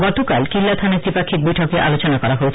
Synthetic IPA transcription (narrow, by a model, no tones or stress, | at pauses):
ɡɔt̪okalkilːat̪ʰaneɾp̪ipakʰːik̚bojʈʰɔk̪̚eʔa̰lot͡ɕonakɔɾaɦoet͡ɕʰ